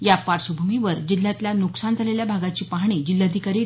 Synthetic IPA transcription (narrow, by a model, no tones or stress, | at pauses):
japaɾsubʱumiʋəɾd͡ʑil̤ːjat̪ljanuksant̪aleljabʱaɡat͡ɕiːpaɦɳ̃id͡ʑilːjad̪ʱikaɾiː